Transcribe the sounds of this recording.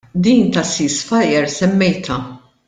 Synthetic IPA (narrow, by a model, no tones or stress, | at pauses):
d̪iːnt̪ɐsiːsfɐjɛɾsɛmːɛjt̪ʰɐ